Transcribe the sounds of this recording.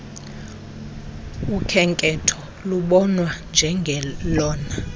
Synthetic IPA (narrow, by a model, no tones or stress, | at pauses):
ukʰɛŋkʼɛtʰɔ | luɓɔnwand͡ʒʱɛŋɡʱɛlɔːna